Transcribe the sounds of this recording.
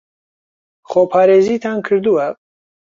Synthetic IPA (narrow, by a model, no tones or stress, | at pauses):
χopʰɑːɾezit̪ʰankʰɨɾd̪uwa